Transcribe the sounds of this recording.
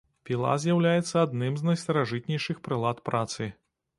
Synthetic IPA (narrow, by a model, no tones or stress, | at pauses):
pʲilˠa̰zʲjawlʲajɛt̪sːɐad̪nɨmznɐjst̪ɐɾaʐɨt̪̚nʲɛjʂɨxpɾɨlˠat̪pɾʔat̪sɨ